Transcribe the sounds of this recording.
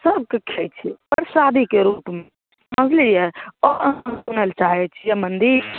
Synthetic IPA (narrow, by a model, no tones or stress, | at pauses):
səb̚kekʰɛt͡ʃʰipəɾsad̪ʱikeɾupme | məd͡ʒʱlijɛɔəmsunəlt͡ʃaɦɛt͡ʃʰijɛmənd̪iɾ